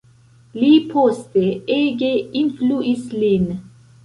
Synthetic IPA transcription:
liːpʰost̪eeːɡeinfluʔislin

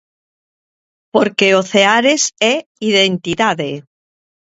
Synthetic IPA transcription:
poɾkeoθeaɾesɛiðent̪iðaðe

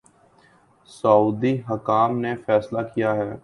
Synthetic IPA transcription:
səuːd̪iɦəkaːmnefɛːslakijaɦɛː

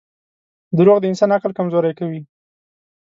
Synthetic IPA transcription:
d̪əɾoɣd̪əɪnsɑnaqəlkamzoɾajkawi

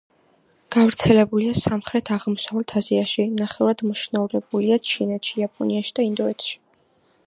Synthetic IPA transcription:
ɡ̥avɾt̪sʰɛlɛbuliasamχɾɛt̪ʰaʁmɔsavɛlt̪ʰaziaʃinaχɛvad̪mɔʃnauɾɛbuliat͡ʃʰinɛt̪ʃijapʼɔniaʃi̥d̪aind̪ɔɛt̪ʰʃi̥

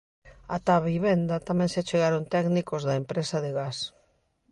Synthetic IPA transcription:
at̪aβiβend̪at̪amẽnseat͡ʃeɣaɾont̪ɛknikozðaempɾesaðeɣas

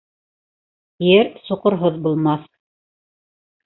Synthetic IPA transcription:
jɘɾsuqɤ̆ɾɦoðbulˠmɑθ

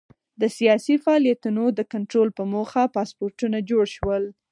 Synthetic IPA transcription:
d̪əsijɑsifaɑlijat̪unod̪əkaɳʈɾolpəmoxapɑspoɾʈunad͡ʒoɽʃwəl

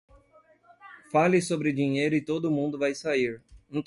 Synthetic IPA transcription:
falɪsobɾɪd͡ʒiɲejɾʊɪt̪od̪ʊːmũd̪ʊvajsaiɾnɐ̃t̪

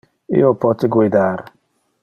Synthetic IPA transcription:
ɪ̰opɔtɪɡʷedaɾ

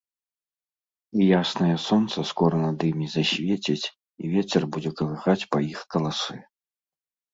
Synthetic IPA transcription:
ijasnɐjɐsɔnt̪sɐskɔɾɐnad̪ɨmʲizɐsʲvʲet͡sʲit͡sʲ | ḭvʲet͡sʲɛrbud͡zʲɛkɐlˠɨxat͡sʲpɐixkɐlˠasɨ

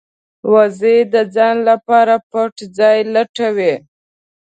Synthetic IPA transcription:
wazed̪əd͡zɑnlapɑɾapəʈd͡zɑjlaʈawe

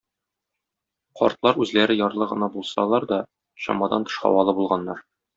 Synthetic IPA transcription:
qɒ̰ɾt̪lˠɑɾʉzlæɾɘjɒɾlˠɤʁɤ̆nɑbulˠsɑlˠɑɾd̪ɒ | ɕɒ̰mɑd̪ɑ̰nt̪ɤ̥̆ʃqɑ̰wɑlˠɤbulˠʁɑnːɑɾ

